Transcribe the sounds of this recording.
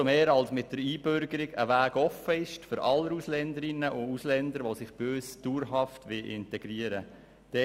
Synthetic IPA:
omeːɾɑlsmɪt̚dəɾiːb̥ʏɾɡəɾɪɡə̰ʋæːɡ̥ɔfːəɪʃtfʏɾʔɑlːəɾuslɛnd̪əɾɪnːəʔʊuslɛnd̪əɾʋosɪχb̥øːsd̥uːɾɦɑftʋɪʔɪntɛɡ̥ɾiəɾə | d̥ɛ

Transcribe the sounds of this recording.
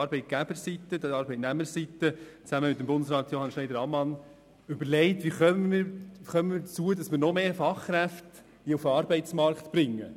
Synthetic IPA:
ɑɾbɛɪt̚ɡ̥æb̥əɾsitːədəɑɾbɛɪtnæmːəɾsitət͡sæməmɪtːəmbʊndəsrɑːtjohɑnʃnɛɪdəɾɑmːɑn | ʏbəɾlɛɪtʋiχœmmɪχœməmɪːdət͡suədɑsmɪːɾnɔmeːfɑχkræft | d̥iufɑːɾbɛɪt͡smɑɾktb̥ɾɪŋːə̰

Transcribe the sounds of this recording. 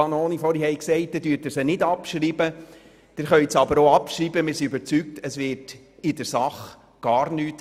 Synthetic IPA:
ɑnoːnifɔɾihɛɪksɛɪt̚d̪ɪdyːɾtəɾsənɪdɑpʃɾiːbə | d̥ɪɾχœʏsɑbəɾoɑpʃriːbəmɪːɾsiøbəɾt͡syk̚təsʋɪːɾt | ɪdəɾsɑχ | ɡ̥ɑːɾnyːt

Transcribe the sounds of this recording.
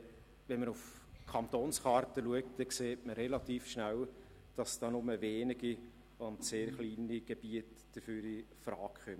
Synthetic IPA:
vɛnmənuf | kʰɑnt̪oːnsχɑːɾtəluək̚td̥ɛkseːtməɾɛlɑtiːfʃnæl | d̥ɑsd̥ɑːnʊməveːnɪɡi | ʊndseːɾχliːniɡ̥eb̥iət | d̥əfyːɾifɾɑːkχœm

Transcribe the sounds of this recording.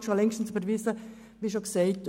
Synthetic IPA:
ʃolɛŋʃtn̩sybəɾʋisə | ʋiːʃoksɛɪt

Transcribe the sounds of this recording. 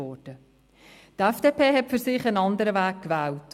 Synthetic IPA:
ɔːd̥ə | tɛfd̥eːpʰeːɦɛtfyɾsɪχənɑndəɾəvæːkkvæːlt

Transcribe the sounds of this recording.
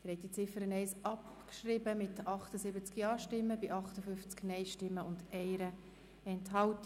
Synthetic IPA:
d̪̥ɾɛt̪ːit͡sɪfəɾənɛɪsʔɑpkʃrɪbəmɪtɑχtəsɪbət͡skjɑːʃtɪmːəbɪʔɑχtəfʏft͡sknɛɪʃtɪmːəʊndɛɪɾə | ɛnthɑlt

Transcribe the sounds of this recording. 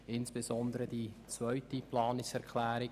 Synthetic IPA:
ɪnsb̥ezɔnd̪əɾədit͡svœʏtiplɑːnɪksɛɾkʰlæːɾɪ

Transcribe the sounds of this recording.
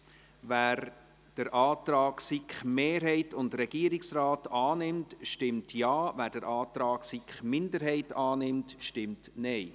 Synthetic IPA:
væːɾ | d̥əɾʔɑːt̪ɾɑːksikχmeːɾɦɛɪtʊndɾɛɡ̥iəɾɪksrɑːtɑːnɪmtʃtɪmtʰjɑːvæːɾd̥əɾɑːtɾɑːksikχmɪndəɾɦɛɪtɑːnɪmtʃtɪmtnɛɪ

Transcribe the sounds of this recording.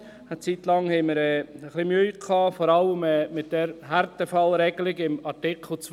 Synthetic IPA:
ət͡sit̪lɑŋhɛɪməɾɛəχlimyːkʰɑːfɔɾɑləmɛːmɪt̚d̥ɛɾɦæɾtəfɑlɾɛɡəlɪɡɪmɑɾtɪkʰl̩ˠt͡s

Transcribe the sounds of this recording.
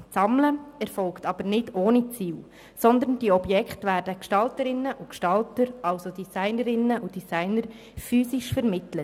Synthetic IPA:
sɑmləɛɾfɔlktɑb̥əɾnɪdoːnit͡siːl | sɔnd̪əɾnd̥iːɔbjɛkχtʋæːɾdəkʃtɑltəɾɪnːəʔukʃtɑltəɾʔɑlsod̥isaɪnəɾɪnːəʔud̥isæɪnəɾ | fyːsiʃfəɾmɪtlət

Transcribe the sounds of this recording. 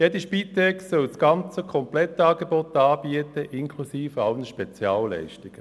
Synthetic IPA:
jedəʃpit̪ɛksœlsɡ̥ɑnt͡səkʰɔmplɛt̪ːɑːɡebɔt̪ɑːbiətəʔɪnkʰlusiːfɑlnəʃpɛt͡sjɑːlːɛ̰ɪʃtɪɡ̥ə

